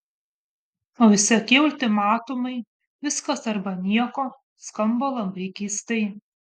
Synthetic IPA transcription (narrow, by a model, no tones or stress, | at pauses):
oːʋʲɪsʲɪɐkʲiʊlʲt̪ʲɪmɑːt̪ʊmɐɪ | ʋʲɪskɐsɐɾbɐnʲiɛkoː | skɐmboːlˠɐmʲbɾʲɛkʲiːst̪ɐɪ